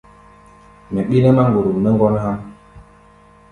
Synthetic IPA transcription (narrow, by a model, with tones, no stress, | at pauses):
mɛ˨ɓi˦nɛ˦ma˦ŋ˨ɡu˨ɾu˨mnɛ˦ŋ˦ɡɔ˦n˦ha˦m